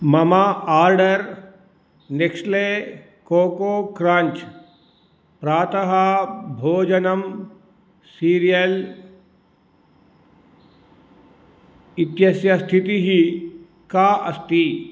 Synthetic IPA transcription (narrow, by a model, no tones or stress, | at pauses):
mɐmaːaːɾɖəɾ | neksle | koːkoːkɾãːɲt͡ʃ | pɾaːt̪əɦabʱoːd͡ʒɐnəm | siːɾijəl | ɪt̪jɐsjɐst̪ʰit̪iɦi | kaʔɐst̪i